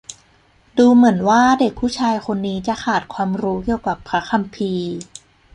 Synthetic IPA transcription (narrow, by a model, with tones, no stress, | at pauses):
duː˧mɯ˩˦ənwaː˥˩de˨˩k̚pʰːuː˥˩t͡ɕʰaː˧jko˧nːiː˦˥t͡ɕa˨˩ʔkʰaː˨˩t̪̚kʰwaː˧mɾuː˦˥ki˨˩əwka˨˩pʰɾa˦˥kʰa˧mpʰiː˧